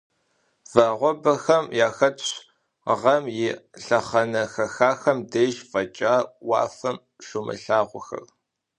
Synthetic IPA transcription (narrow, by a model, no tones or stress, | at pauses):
v̥ɐʁʷɔbɐxɐmjaːxɐtɕ | ʁɐmjɪɬɐχɐnɐxɐxaːxɐmdejʒfʼɐt͡ʃʼaːwɑ̰ːfɐm | ʂʷʊmɨ̰ɬaːʁʷɔxɐ̰r